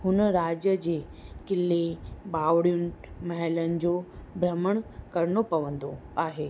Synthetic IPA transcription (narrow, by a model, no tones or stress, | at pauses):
ɦʊnɾad͡ʑjəd͡ʑekɪlːebaʋɽjunmɐɦɛlənd͡ʑobɾəməɳ̃kɐɾɳopɐʋə̃nd̪o | aːɦe